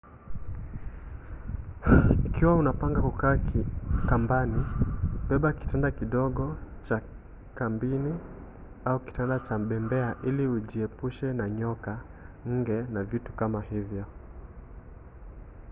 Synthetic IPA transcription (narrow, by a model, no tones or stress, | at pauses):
ikiwaunapaŋɡakukaːkambaniɓɛɓaki̥tandakiɗɔɠɔt͡ʃa | kambini | auki̥tandat͡ʃaɓɛmbɛaʔiliuʄiɛpuʃɛnaɲɔkaŋ̩ɡɛnavitu̥kamahivjɔ